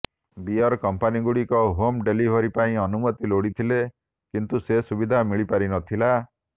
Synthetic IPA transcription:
biɔɾkɔmpaniɡuɽikɔɦomɖelibʱɔɾipaĩɔnumɔt̪iloɽit̪ʰile | kint̪usesubid̪ʱamiɭipaɾinɔt̪ʰila

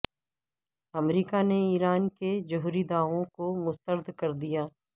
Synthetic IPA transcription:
ɐmɾiːkaneiːɾaːnked͡ʒʊɦuɾid̪aːʋõkomʊst̪əɾd̪ʱkɐɾd̪ijaː

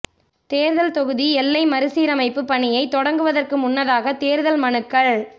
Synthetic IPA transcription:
t̪eːɾðɐlt̪ɔɣɯðiɛlːɐɪmɐɾɯsiːɾɐmɐɪpːɯpɐɳɪjɐɪt̪ːɔɽɐŋɡɯʋɐðɐrkɯmʊnːɐðaːɣɐt̪eːɾðɐlmɐɳɯkːɐɭ

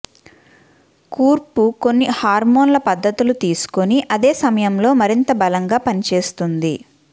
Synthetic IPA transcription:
kuːɾpuko̞nːihaːɾmo̞ːnlɐpɐd̪ʱːɐt̪ulut̪iːsu̥ko̞niʔɐd̪e̞ːsɐmɐjɐmlo̞ːmɐɾint̪ɐbɐlɐŋɡaːpɐnit͡ʃe̞ːst̪und̪i

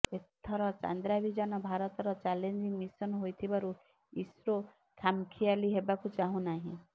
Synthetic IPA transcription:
et̪ʰːɔɾɔt͡ʃa̰nd̪ɾabʱid͡ʒanɔbʱaɾɔt̪ɔɾɔt͡ʃalend͡ʒiŋmisɔnɦojt̪ʰibaɾu | isɾo | kʰamkʰialiɦebakut͡ʃaɦũnaɦḭ̃

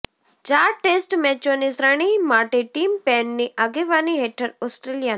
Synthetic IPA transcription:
t͡ʃaːɾʈeːsʈmɛːt͡ʃonisɾəɳ̃imaːʈeʈiːmpɛːnːiʔaɡeʋaːniɦeːʈʰəɾɔsʈɾeːlijan

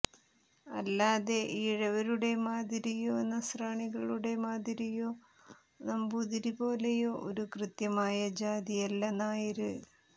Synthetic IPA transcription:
ɐlːaːðe̞ʔiːɻɐʋɐɾuɽe̞maːd̪iɾijoːnːɐsraːɳiɣɐɭuɽe̞maːd̪iɾijoː | nɐmbuːðiɾibo̞ːle̞joːʔoɾukrɨt̪jɐmaːjɐd͡ʑaːðijɐlːɐnaːjiɾɨ

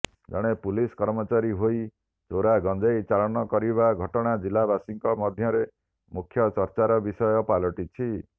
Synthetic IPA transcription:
d͡ʒɔɽ̃epuliskɔɾmɔt͡ʃaɾiɦoi | t͡ʃoɾaɡɔnd͡ʒajt͡ʃalɔnɔkɔɾiβaɡʱɔʈɔɽ̃ad͡ʒilabasiŋkɔmɔd̪ʱjɔɾe | mukʰjɔt͡ʃɔɾt͡ʃaɾɔbisɔjɔpalɔʈit͡ʃʰi

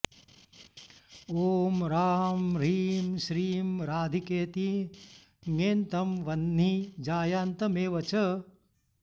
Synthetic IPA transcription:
oːmɾaːmɾiːmʃɾiːmɾaːd̪ʱikeːt̪i | ŋeːnt̪ɐmʋɐnːid͡ʒaːjaːnt̪ɐmeːʋɐt͡ʃɐ

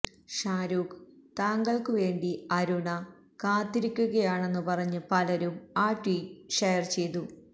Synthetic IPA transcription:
ʂaːɾuːkt̪aːŋɡɐɭkɨʋe̞ːɳɖiɐɾuɳɐ | kaːt̪ːiɾikʲːuɣɐjaːɳe̞nːɨpɐrɐɲːɨpɐlɐɾumaːʈːwiʂejɐrt͡ɕe̞jt̪u

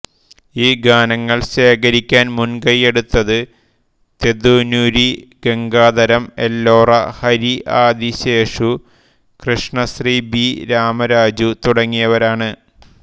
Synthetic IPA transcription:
iːɡaːnɐŋːɐɭɕe̞ːkɐɾikʲːaːnmunɡɐje̞ɽut̪ːɐðɨ | t̪ed̪uːnuɾiɡe̞ŋɡaːd̪ɐɾɐmelːoːrɐhɐɾiʔaːd̪iɕe̞ːʂu | krɨʂɳɐsribiɾaːmɐɾaːd͡ʑut̪uɽɐŋːijɐʋɐɾaːɳɨ

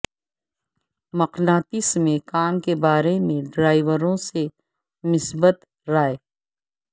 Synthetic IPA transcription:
mɐqnaːt̪ismẽkaːmkebaːɾemẽɖɾaːɪʋəɾõse | mɪsbət̪ | ɾaːe

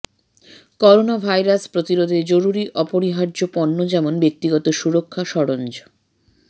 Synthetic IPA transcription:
kɔɾonabʱajɾaspɾot̪iɾod̪ʱed͡ʑoɾuɾiʔɔpoɾiɦaɾd͡ʑopɔnːod͡ʑɛmonbek̚t̪iɡɔt̪oʃuɾokʰːaʃɔɽond͡ʑ

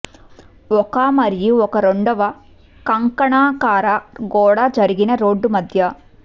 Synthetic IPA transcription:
ɔkaːmɐɾijuɔkɐɾoɳɖɐʋɐ | kɐŋkɐɳaːkaːɾɐɡɔːɽɐd͡ʒɐɾiɡinɐɾoːɖːumɐd̪ʱjɐ

